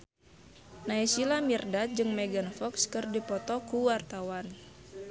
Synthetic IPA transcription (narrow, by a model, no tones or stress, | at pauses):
naisilamirdat̪̚d͡ʒɨŋmɛɡanfɔkskɨrdipɔt̪ɔkuwart̪awan